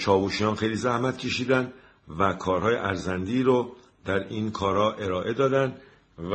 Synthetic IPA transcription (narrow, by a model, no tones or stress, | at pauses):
t͡ʃʰɒːbuʃijɒːnxejliːzæhmæt̪cʲʰe̞ʃiːd̪ænd̪ | vækʰɒːɾhɒːjeʔæɾzænd̪iːɾo | d̪̥æɾinkʰɒːɾhɒːʔe̞ɾɒːʔe̞d̪ɒːd̪ænd̪ | v